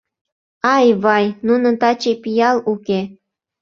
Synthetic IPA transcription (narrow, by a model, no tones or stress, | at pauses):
ɑjβɑjnunə̆t̪ɑt͡ɕejpijɑluke